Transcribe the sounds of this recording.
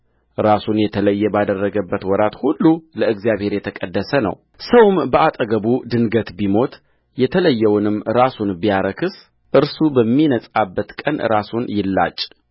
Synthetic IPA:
ɾasunjɛt̪ʰələjːɛbad̪ərːəɡəbːət̪wɔɾat̪hulːuləɨɡzijaβhe̞ɾjɛt̪ʰəkʼəd̪ːəsənə̰w | səwɨmbəʔat̪ʼəɡəbud̪ɨnɡət̪bimo̞t̪ | jɛt̪ʰələjːɛwnɨmɾasunbijaɾəkʰɨs | ʔɨɾsubəmːinəsʼabːət̪kʼənɾasunjɪlːa̰t͡ʃʼ

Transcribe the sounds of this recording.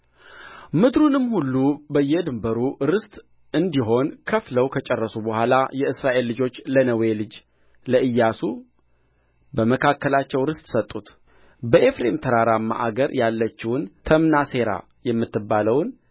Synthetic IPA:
mɨd̪ɾunɨmːhulːubəjːɛd̪ɨmbəɾuɾɨst̪ʼ | ɨnd̪iɦo̞nkʰəfləwkʰət͡ʃʼɛrːəsubəhʷalajɛɨsɾaʔe̞lːɨd͡ʒo̞t͡ʃːlənəwe̞lɨd͡ʒ | ləʔɨjːasu | bəməkʰakːəlat͡ʃːɛwɾɨst̪ʼsət̪ʼːut̪ | bəʔe̞fɾemt̪ʰəɾaɾamːa̰ʔaɡəɾjalːət͡ʃːɪwʊnt̪ʰəmnase̞ɾa̰ | jɛmːɨt̪ːɨbːaləwn

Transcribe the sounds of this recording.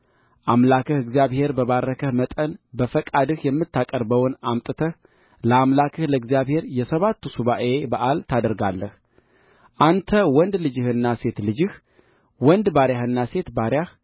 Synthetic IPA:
ʔamlakʰəhɨɡzijaβhe̞ɾbəβaɾːəkʰəhmət̪ʼənbəfəkʼad̪ɨhjɛmːɨt̪ʰːakʼəɾbəwnamt̪ʼɨt̪ʰəh | ləamlakʰɨhləɨɡzijaβhe̞ɾjɛsəβat̪ːusuβaʔe̞baʔalt̪ʰad̪əɾɡalːəh | ʔant̪ʰəwɔnd̪lɨd͡ʒɨhɨnːase̞t̪lɨd͡ʒɨh | wɔnd̪baɾjahɨnːase̞t̪baɾjah

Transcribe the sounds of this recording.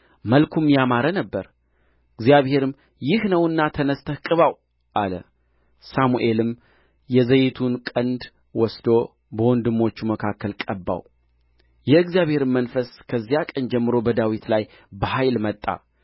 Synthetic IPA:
məlkʰumjamaɾənəbːəɾ | ɨɡzijaβhe̞ɾɨm | jɪhnəwɨnːat̪ʰənəst̪ʰəhkʼɨβaw | ʔalə̰ | samuʔe̞lɨm | jɛzəjɪt̪ʰunkʼənd̪ | wɔsd̪o̞ | bəwɔnd̪ɨmo̞t͡ʃːuməkʰakːəlkʼəbːa̰w | jɛɨɡzijaβhe̞ɾɨmːənfəskʰəzːijakʼənd͡ʒɛmːɨɾo̞bəd̪awit̪laj | bəhajlmət̪ʼːa̰

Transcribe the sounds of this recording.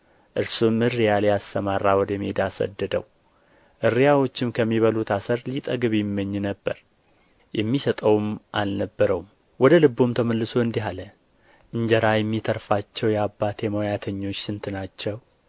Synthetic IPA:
ʔɨɾsumɨrːijaljast̪əmaɾːawɔd̪əmed̪asə̰d̪ːəd̪əw | ʔɨɾijawo̞t͡ʃːɪmkʰəmːiβəlut̪asəɾlit̪ʼəɡɨβjɛmːəɲːnəbːəɾ | jɛmːisət̪ʼəwmʔa̰lnəbːəɾəwum | wɔd̪əlɨbːumt̪ʰəməlːɨso̞ɨnd̪iɦalə | ʔɨɲd͡ʒəɾajɛmːit̪ʰəɾfat͡ʃːɛwjɛabːat̪ʰjɛmojat̪ʰəɲːo̞t͡ʃːsɨnt̪ʰɨnat͡ʃːɛw

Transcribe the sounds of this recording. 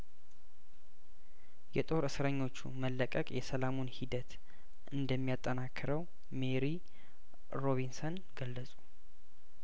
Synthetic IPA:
jɛt̪ʼo̞ɾɨsɾəɲːo̞t͡ʃːṵməlːəkʼəkʼjɛsəlamunhid̪ət̪ | ʔɨnd̪əmːijat̪ʼːənakʰːɨɾəw | meɾi | ɾo̞βinson | ɡəlːəsʼu̥

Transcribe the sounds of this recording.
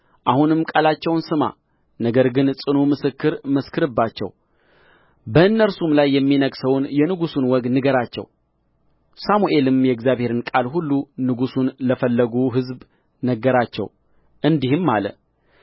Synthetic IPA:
ʔahunɨmkʼalat͡ʃːɛwnsɨma̰ | nəɡəɾɡɨnsʼɨnomɨsɨkːɨɾməskʰɨɾɨbːat͡ʃːɛ̰w | bəɨnːəɾsumlajːɛmːinəɡsəwnjɛnɨɡusunwɔɡ̪nɨɡəɾat͡ʃːɛ̰w | samuʔe̞lɨmjɛɨɡzjaβhe̞ɾɨnkʼalhulːunɨɡusunləfəlːəɡuɦɨzb | nəɡːəɾat͡ʃːɛ̰w | ʔɨnd̪ihɨmːalə̰

